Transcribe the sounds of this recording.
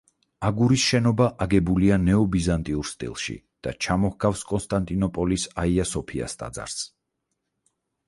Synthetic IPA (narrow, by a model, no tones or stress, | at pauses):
aɡuɾisʃɛnɔbaʔaɡɛbulianɛɔbizant̪ʼiuɾst̪ʼḭlˠʃḭ | d̪̥a̰t͡ʃʰamɔhɡafskʼɔnst̪ʼant̪ʼinɔpʼɔlisaiasɔpʰia̰st̪ʼa̰d̪za̰ɾs